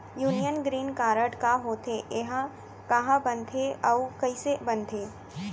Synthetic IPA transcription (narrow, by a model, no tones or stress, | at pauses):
juːnijənɡɾiːnkaːɾəʈkaɦoːt̪ʰeʔeɦã | kɐɦãbɐ̃nt̪ʰeɐwkɐisebɐnt̪ʰeː